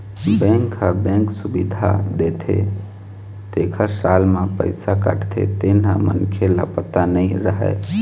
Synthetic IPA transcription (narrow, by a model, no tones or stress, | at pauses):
bɛ̃ŋkɦəbẽŋksubid̪ʱa̰d̪et̪ʰḛ | t̪ekʰəsalmepəɪsakə̰ʈʰt̪ʰḛt̪enɦəmə̰nkʰelə̰pət̪anəɪɾəɦɛ̰